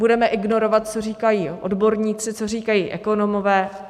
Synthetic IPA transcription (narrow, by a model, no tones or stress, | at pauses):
budɛmɛʔɪɡno̞ɾo̞vat̪̚t͡so̞riːkajiːʔo̰dbo̞ɾɲiːt͡sɪt͡so̞riːkajiːʔɛko̞nomovɛː